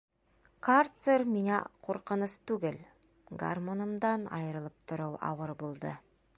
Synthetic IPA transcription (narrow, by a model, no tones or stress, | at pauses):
kart̪serminæqʰoɾqə̆nəst̪ʉɡɘl | ɡa̰rmonə̆md̪ɑnɑ̰jɤɾə̆lˠəp̚t̪ʰʊ̆ɾuwɑ̰wəɾbulˠd̪ə